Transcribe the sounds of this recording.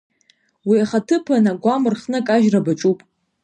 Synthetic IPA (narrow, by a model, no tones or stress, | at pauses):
wiaχatʰɨpʰanaɡʷamɨrχnɨkʼaʒrabat͡ʃʼupʼ